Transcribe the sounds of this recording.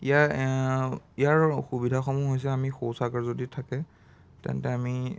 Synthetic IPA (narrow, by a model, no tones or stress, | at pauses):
ija | ijaɹxubidʱaxɔmuɦojs̬ɛamixowsakaɹzoditʰakɛ | tɛ̰ntɛami